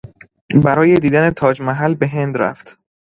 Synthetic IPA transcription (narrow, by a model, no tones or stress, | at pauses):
bæɾɒːje̞d̪iːd̪æne̞t̪ʰɒːd͡ʒmæɦælbe̞ɦe̞nd̪ɾæ̰ft̪